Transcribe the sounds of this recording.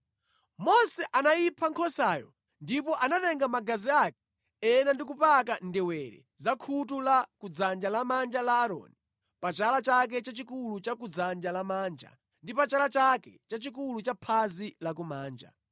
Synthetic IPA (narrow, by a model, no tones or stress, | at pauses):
mɔsɛʔanajipʰaŋkʰɔsajɔ̰ | ndipɔʔanatɛŋɡamaɡaziakɛ̥ | ɛnandik̬upakandɛwɛɾɛ̰ | zakʰutulakud͡zand͡ʒalamand͡ʒalaːɾɔ̰ːni | pat͡ʃalat͡ʃak̬ɛt͡ʃat͡ʃikulut͡ʃakud͡zand͡ʒalamaːnd͡ʒa̰ | ndipat͡ʃalat͡ʃakɛ̰t͡ʃat͡ʃikulut͡ʃapʰazilak̬umaːnd͡ʒa̰